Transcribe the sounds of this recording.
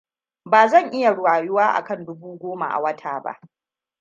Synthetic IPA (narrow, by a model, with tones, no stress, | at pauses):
baː˨zɐ˦˨ŋʔɪ˦ja˨ɽwaː˨jʊ˦waː˦ʔa̰˨kɐ˦˨ndʊ˦buː˦ɡʷoː˦ma̰˨ʔa̰˨wɐ˦tʰaː˨ba̰˦ʔ